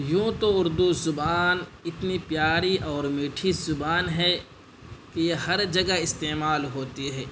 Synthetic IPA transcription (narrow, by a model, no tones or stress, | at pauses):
jũːt̪oʊɾd̪uzʊbaːnɪt̪nipjaːɾiʔɔːɾmiːʈʰizʊbaːnɦɛ | kejehɐɾd͡ʒɐɡaɪst̪eːmaːlɦoːt̪iɦɛː